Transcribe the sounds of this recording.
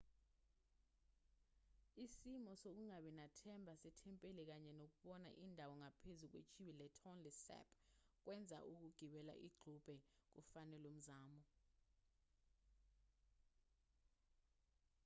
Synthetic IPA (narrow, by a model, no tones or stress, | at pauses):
isimɔsok̬uŋaɓɛnatʰɛmbʱasɛtʰɛmpʼelɛk̬aɲɛnok̬uɓɔna̰ʔindʱawɔŋapʰezuk̬wḛt͡ʃʰʼiɓilɛtʰɔnlɛsɛ̰pʰʼk̬wɛnd͡zʱa̰ʔuk̬uɡ̥ʱiɓɛla̰ʔiɡ͡ǃʱub̥ʱɛk̬ufanɛlom̩zaːmɔ